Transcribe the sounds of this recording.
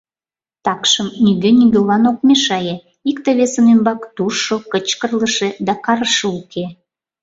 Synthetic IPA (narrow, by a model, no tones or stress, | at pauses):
t̪ɑkʃəmniɣenʲiɡelɑnok̚meʃɑje | ikt̪eβesənembɑkt̪uʃokət͡ɕkərləʃĕd̪ɑkɑɾəʃeukʰe